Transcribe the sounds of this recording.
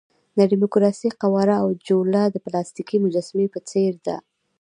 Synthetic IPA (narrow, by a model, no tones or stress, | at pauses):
naɖimʊkɾɑsiqawɑɾaawd͡ʒolɑd̪əplɑst̪ikimʊd͡ʒɑsmepət͡seɾd̪a̰